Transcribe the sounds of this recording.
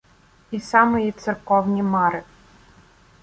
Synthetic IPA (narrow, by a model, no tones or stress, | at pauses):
isɑmɔjit̪sɛrkɔwnʲimɑɾɪ